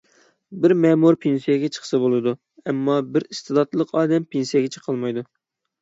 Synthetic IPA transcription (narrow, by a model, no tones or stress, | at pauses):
bɪɾmɛmuɾpʰensijɛɡʲɛt͡ʃʰə̥χʰə̥sɨbolˠɨd̪u | ɛmːɑbɪɾist̪ɨd̪ɑt̪lˠəqʰɑːd̪ɛmpʰensijɛɡʲɛt͡ʃʰə̥qʰəlˠmɑjd̪u